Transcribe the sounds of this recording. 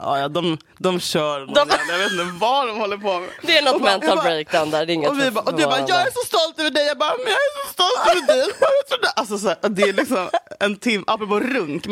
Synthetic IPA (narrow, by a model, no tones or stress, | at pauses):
ʔɑ̰ːjɑd̪ɔm | d̪ɔmɕœːɾnɔljɑveːt̪ɪt̪əvaɖɔmhɔlːəɾpʰomɛd̪ɛænɔt̪mɛnt̪albɾejk̚d̪aʊnd̪æːɖɛɪŋːəɔvɪbɑʔɔd̪ʉbɑjɑːɡæɾʂɔst̪ɔlt̪ɛvəɖɛjɑːɡ̚bɑːɾmɛjɑːɡæɾsɔst̪ɔlt̪œvəd̪ɛjt̪ʰɾuːd̪ʔals̬ɔsæːɾʔd̪ɛælɪksɔmɛnt̪ʰɪmːʔa̰lpɾʊpoːɾɵŋk